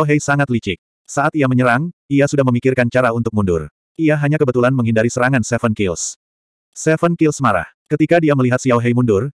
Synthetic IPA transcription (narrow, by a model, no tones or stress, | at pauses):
awɦɛjsaŋat̪lit͡ʃɪk̚ | saʔat̪iaməɲəɾaŋiasudahməmikɪrkant͡ʃaɾaunt̪ʊk̚mundʊ̰r | ʔiaɦaɲakəbət̪ulanməŋɦindaɾisəɾaŋansɛfənkils | sɛfənkɪlsmaɾa̰h | kət̪ikadiaməliɦat̪̚sijawɦɛjmundʊr